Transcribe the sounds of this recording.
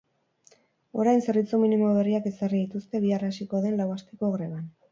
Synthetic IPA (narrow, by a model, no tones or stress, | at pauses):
o̞ɾajnse̞ɾβit͡suminimo̞βe̞riake̞sariðit̪ust̪e̞β̞iarasiko̞ðe̞nlawast̪e̞ko̞ɣɾe̞β̞an